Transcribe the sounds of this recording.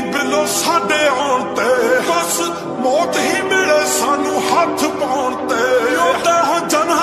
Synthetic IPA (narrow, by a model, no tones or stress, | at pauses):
bɪloːsaːɖeːɔːɳt̪eːbəs | mɔːt̪ɦiːmɪleːsaːnũːhət̪ʰpaʊːɳt̪eːot̪eːɦãːd͡ʒən